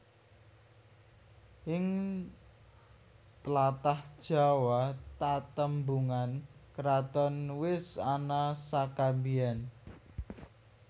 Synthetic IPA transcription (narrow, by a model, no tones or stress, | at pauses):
ʔɪŋ | t̪əlat̪ahd̥ʒ̥a̤wat̪at̪əmbuŋankəɾat̪ɔnwɪsanasakambian